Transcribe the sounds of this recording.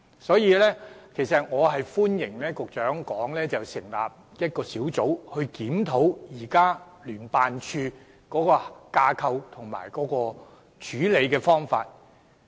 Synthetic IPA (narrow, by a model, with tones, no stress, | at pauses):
sɔː˨˥jiː˨˧lɛː˥kʰe˨˩jsɐ˨t̚ŋɔː˨˧ɦɐ˨jfuː˥njɪ˨˩ŋlɛː˥kʊ˨k̚t͡ʃœː˨˥ŋkɔː˨˥ŋlɛː˥t͡sɐ˨˩wsɪ˨˩ŋla̰ː˨p̚ | jɐ˥t̚kɔː˧siː˨˥wt͡so˨˥whɵ˧ɥkiː˨˥mt̪ʰo˨˥wjiː˨˩kaː˥ | lyː˨˩npaː˨nt͡ʃʰyː˧ | kɔː˨˥kɔː˧kaː˧kʰɐ˧wt̪ʰʊ˨˩ŋma̰ː˨˩jkɔː˨˥kɔː˧ | t͡ʃʰyː˨˥le˨˧jkɛː˧fɔː˥ŋfa̰ː˧t̚